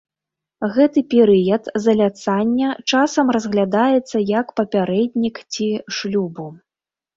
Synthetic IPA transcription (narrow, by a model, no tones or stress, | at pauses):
ɣɛt̪ɨpʲɛɾɨjɐt̪zɐlʲat̪sanʲːɐt͡ʂasɐmrɐzɣlʲad̪ajɛt̪sːɐjɐkpɐpʲaɾɛd̪ʲnʲikt͡sʲiʂlʲubu